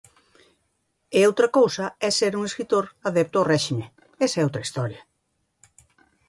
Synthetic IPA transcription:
eowt̪ɾɐkowsɐɛseɾuŋeskɾit̪oɾaðɛp̚t̪ʊawrɛʃime | ɛsɛowt̪ɾɐist̪ɔɾjɐ

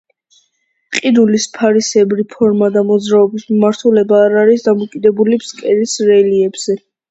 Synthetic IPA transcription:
qʼiɾulispʰaɾisɛbɾipʰɔɾmad̪amɔd̪zɾaɔbismimaɾt̪ʰulɛbaːɾaɾisd̪amɔkʼid̪ɛbulibskʼɛɾisɾɛliɛbz̥ɛ

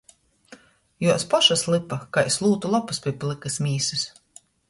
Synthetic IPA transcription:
juɔspɔʃaslˠɨpakaislˠuːt̪ulˠapuspʲiɛplˠikɨsmʲiːsɨs

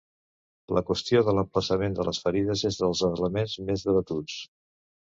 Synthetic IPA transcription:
ləkwəst̪ioðələmpləsəmend̪ələsfəɾiðəzezðəlˠzəɣləmenzmezðəβət̪ut͡s

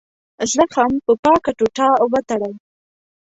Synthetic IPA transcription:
zaxampəpɑkaʈuʈɑwət̪aɽaw

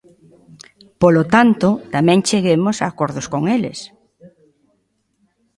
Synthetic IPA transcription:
polot̪ant̪ʊt̪amɛ̃ŋt͡ʃeɣemosaːkoɾðoskoŋelḛs

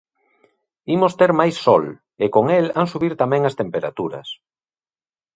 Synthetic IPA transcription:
imost̪eɾmajsːɔl | ɪkoŋelaŋsuβiɾt̪amɛ̃ŋɐst̪empeɾa̰t̪uɾɐ̰s

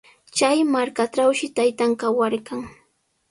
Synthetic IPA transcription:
t͡ʃajmaɾkaʈ͡ʂawʃɪt̪ajt̪aŋkawaɾkaŋ

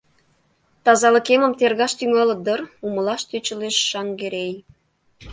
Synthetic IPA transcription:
t̪ɑzɑlə̆kemə̆mt̪erɣɑʃt̪yŋɑlɤ̆d̪ərumə̆lɑʃt̪øt͡ɕə̆leʃːɑŋɡeɾej

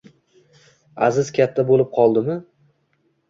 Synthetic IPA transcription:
a̰zɪz̥kʲʰat̪ʰːabolɪp̚qʰɒlˠd̪ɪmɪ

